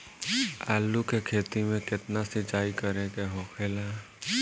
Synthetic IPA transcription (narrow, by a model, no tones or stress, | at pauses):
a̰ːlukekʰeːt̪imẽkɪt̪nasɪt͡ʃaːikəɾekeɦɔːxʰeːla